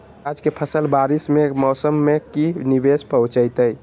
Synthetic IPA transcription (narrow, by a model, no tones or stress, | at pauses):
ad͡ʒkepʰəsəlbaɾismemɔwsəmːekinibespəũt͡ʃəjt̪əj